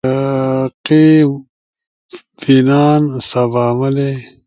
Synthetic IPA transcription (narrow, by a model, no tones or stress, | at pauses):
qe | binaːnsabaːmɐle